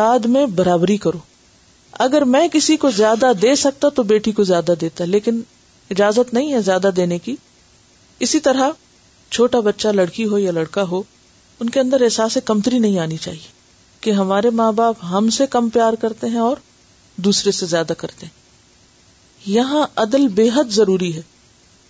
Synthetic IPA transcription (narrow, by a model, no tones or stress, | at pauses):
aːd̪mẽbɐɾaːbɾikɐɾoː | ɐ̰ɡəɾmɛ̃ːkɪsikozjaːd̪ad̪eːsɐk̚t̪at̪obeːʈikozjaːd̪ad̪eːt̪aɦɛleːkɪn | ɪd͡ʒaːzət̪nɐɦĩɦɛ̃zjaːd̪ad̪eːneki | ɪsit̪ɐɾa | t͡ʃʰoːʈabɐtːʃalɐɽkiɦojalɐɽkaɦo | ʊnkeɐ̃nd̪əɾɛɦsaːsekɐmt̪ɾinɐɦĩaːnit͡ʃa̰ːɦie | keɦɐmaːɾemaːbaːpɦɐmsekɐmpjaːɾkɐɾt̪eɦɛ̃ɔːɾ | d̪uːsɾesezjaːd̪akɐɾt̪eɦɛ̃ | jɐɦãɐd̪əlbeːɦəd̪zɐɾuːɾiɦɛː